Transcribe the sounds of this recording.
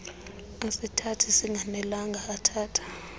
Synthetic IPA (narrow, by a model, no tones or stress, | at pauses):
asitʰatʰisiŋɡʱanɛlaŋɡʱaːtʰaːtʰḁ